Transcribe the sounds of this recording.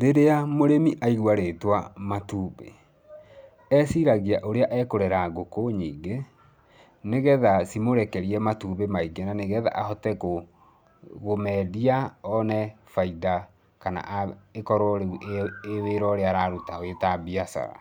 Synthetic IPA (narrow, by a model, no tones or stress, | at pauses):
ɾeɾeamoɾemiʔaiɣwaɾetwamatuːbḛ | ɛsiɾaɣiaʔoɾeaʔɛkoɾɛɾaɡokoɲiːɡe | neɣɛðasimoɾɛkɛɾiɛmatuːβemaiɡenaneɣɛða̰ʔahɔtɛko | ɣomɛːdiaɔnɛ | faida | kana̰ʔekɔɾoɾeuʔeeweɾɔɾeaɾaɾutaowetabiasa̰ɾa̰